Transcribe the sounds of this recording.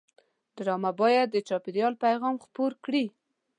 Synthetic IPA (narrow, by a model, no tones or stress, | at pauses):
d̪ɾɑmabɑjad̪ːət͡ʃɑpɪɾjɑlpajɣɑmxpoɾkɽi